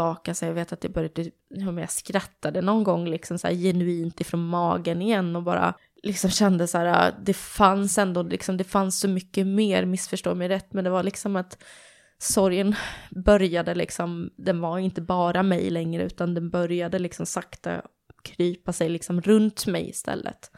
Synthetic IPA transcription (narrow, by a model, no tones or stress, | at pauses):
ɑːkasɛjaveːt̪at̪̚d̪ɛbœɾjad̪ | hœmɛja̰skɾat̪ːad̪ənɔnɡɔŋːlɪksɔmsæ̰ːɾjɛnʉiːnt̪ɪfɾoːnmɑːɡənɪjɛnːɔbɑ̰ːɾa̰ | lɪksɔmɕɛnd̪əsæːɾa̰d̪ɛfansɛnd̪oːlɪ̰ksɔmd̪ɛfansːɔmʏkːəmeːɾmɪsfœʂʈo̰ːmɛjɾɛt̪ːmɛnd̪ɛvalɪksɔmat̪ | sɔɾjənbœɾjad̪əlɪ̰ksɔmd̪ɛnvaɾɪnt̪əbɑːɾamɛjlɛŋɾə̰ʉ̟ːt̪and̪ɛnbœɾjad̪əlɪksɔmsakt̪a̰ | kʰɾyːpasɛjlɪksɔmɾɵnt̪mɛ̰jɪ̰st̪ʰɛ̰lːə̰t̪